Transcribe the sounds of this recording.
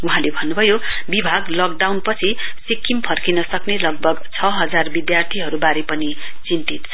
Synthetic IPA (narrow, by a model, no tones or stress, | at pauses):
uɦãlebʱʌnːubʱʌjobibʱaɡlʌkɖawnpʌt͡sʰisikːimpʰʌrkinʌsʌknelʌɡ̚bʱʌɡt͡sʰʌɦʌd͡zarbid̪jart̪ʰiɦʌɾubaɾepʌni | t͡sint̪it̪̚t͡sʰʌ